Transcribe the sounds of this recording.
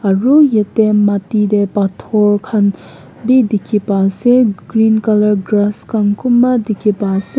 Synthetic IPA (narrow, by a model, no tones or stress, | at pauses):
ɐɹujetematidepatʰoɹkʰan | bidikʰːipaseɡɾinkɐlɐɾɡɾaskankʰumːadikʰːipase